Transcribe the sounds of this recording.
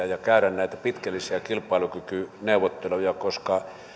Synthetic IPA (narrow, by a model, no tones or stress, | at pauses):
ɑjɑkæˑyɾænnæˑit̪æpit̪kælːisiækilpˑɑˑilukykyneˑuʋˑot̪ːelojɑkoskɑ